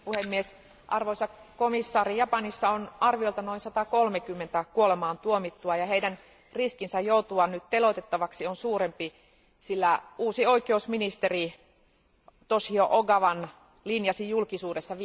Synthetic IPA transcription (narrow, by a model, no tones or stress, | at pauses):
puhemːies | ʔɑrʋoisɑkomisːɑːɾijɑpɑnisːɑonɑrʋioilt̪ɑno̞insɑt̪ɑkolmekymːent̪ækuolemɑːnt̪uomit̪ːuɑjɑhejdæn | riskinsæjjout̪uɑnnyt̪t̪elot̪et̪ːɑʋɑksionsuːɾempi | silːæuːsio̞ikeusminist̪eri | t̪oshioʔoɡɑʋɑn | linjɑsijjulkisuːdesːɑʋ